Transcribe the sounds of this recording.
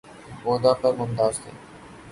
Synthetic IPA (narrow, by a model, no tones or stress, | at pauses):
boːd̪aːpəɾmʊnt̪aːzt̪ʰḛː